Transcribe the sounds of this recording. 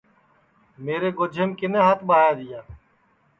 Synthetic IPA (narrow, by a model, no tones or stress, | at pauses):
meːɾeːɡʊd͡ʒʱeːmkɪnẽːɦaːt̪ʰɓaːjaːd̪ɪjaː